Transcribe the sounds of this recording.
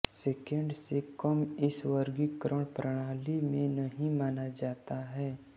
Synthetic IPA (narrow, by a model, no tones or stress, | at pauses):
seːkẽɳɖsekɐmɪswəɾɡɪkɾəɽ̃pɾəɽ̃aːlimẽnɐɦĩmaːnad͡ʒaːt̪aɦɛː